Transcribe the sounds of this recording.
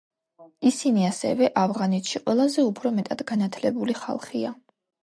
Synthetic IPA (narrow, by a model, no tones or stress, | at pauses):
isiniasɛ̰vɛʔavʁanɛt̪ʰʃiqʼwɛlˠazɛupʰɾɔmɛt̪ʼad̪̥ɡanat̪ʰlɛbuliχa̰lˠχia